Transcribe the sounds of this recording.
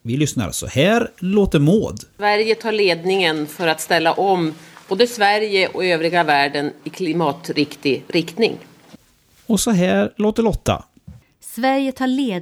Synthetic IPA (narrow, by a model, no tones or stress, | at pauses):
vɪlʏsna̰ɾsɔ̰hæːɾloːt̪əɾmoːd̪væɾjət̪ʰɑːɭeːd̪nɪŋənfœɾat̪st̪ɛlːaʔɔmb̥oːd̪əsvæɾjəʔɔ̰køːvɾɪɡavæːɖənɪkʰlɪmɑːt̪ɾɪkt̪ɪɾɪkt̪nɪ̰ŋ | ɔsɔɦæːɾloːt̪əɭɔt̪ʰːa̰ | svæɾjət̪ʰɑːɭeː